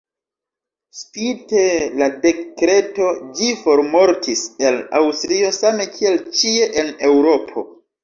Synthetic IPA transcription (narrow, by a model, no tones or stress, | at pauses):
spite̞lade̞kɾe̞to̞d͡ʒifo̞ɾmo̞ɾtʰise̞la̰wstɾio̞same̞kʰie̞lt͡ʃie̞ʔene̞wɾo̞pʰo̞̰